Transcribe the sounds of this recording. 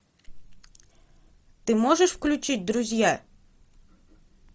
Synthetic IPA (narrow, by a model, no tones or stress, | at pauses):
t̪ɪmɔʒeʃwklʲʊt͡ʃɪt̚ʲd̪ɾʊzʲja